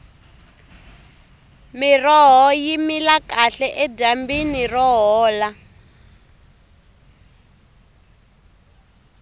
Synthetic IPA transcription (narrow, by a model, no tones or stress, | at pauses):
mirɔɦɔjimilakaɬɛʔɛdambinirɔɦɔːla